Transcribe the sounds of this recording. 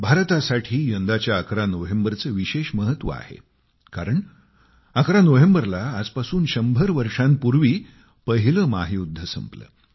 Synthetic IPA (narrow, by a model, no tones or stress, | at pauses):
bʱaɾt̪asaʈʰiːjənd̪at͡ɕjaːkɾanoɦembəɾt͡səːʋiɕeɕməɦət̪ːʋə̰a̰hḛ | kaɾəɳ | əkɾanoɦembəɾlaːd͡zpasuːnɕəmbʱəɾʋəɾʂãnpuɾʋiː | pəɦiləmaɦiud̪ʱːəsə̰mplə̰ː